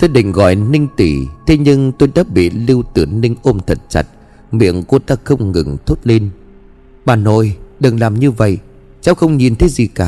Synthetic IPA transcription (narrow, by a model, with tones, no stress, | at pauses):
t̪e˦˧ɗï˧˨ŋ̟ɣɔ̰˧˨jnï˧ŋ̟t̪i˧˩t̪ʰe˨˦ɲɨ˧ŋt̪o˧jɗaː˦p̚ɓḭ˧˨li˧wt̪ɨ˨˩ənï˧ŋ̟ʔo˧mt̪ʰə˨˩t̚t͡ɕa̰˨˦˩t̚ | mḭ˧˨əŋku˧˩ət̪aː˧xə˧wŋ͡mŋɨ̰˨˩ŋt̪ʰo˦˥t̚le˧n | ɓa̰ː˨˩nːo˧˩jɗɨ˨˩ŋlaː˨˩mɲɨ˧və̰˧˨j | t͡ɕa˧˦wxə˧wŋ͡mɲi˨˩nt̪ʰe˨˦zi˨˩kaː˨˩